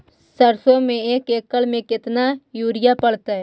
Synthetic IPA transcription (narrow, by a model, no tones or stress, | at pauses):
səɾsõmẽeːkeːkːəlmẽkɪt̪najuːɾɪjapəɽt̪aɦɛː